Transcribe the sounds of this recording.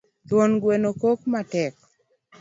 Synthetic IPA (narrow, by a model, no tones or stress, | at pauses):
t̪wɔnɡwenokokmatɛk